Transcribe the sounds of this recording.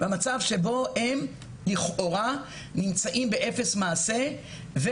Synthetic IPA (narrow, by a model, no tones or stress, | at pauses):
bamat͡savʃe̞bo̞hem | liχʔo̞ʁa | nimt͡saʔimbe̞ʔe̞fe̞smaːse̞ | ve